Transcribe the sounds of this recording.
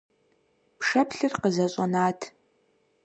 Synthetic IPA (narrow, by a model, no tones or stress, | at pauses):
pʂɐpʰɬɨrqəzɐɕʼɐnaːtʰ